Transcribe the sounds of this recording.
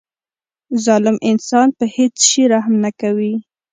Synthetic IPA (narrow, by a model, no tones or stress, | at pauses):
zɑlɪmʔɪnsɑnpəhet͡sʃiɾahmnakawi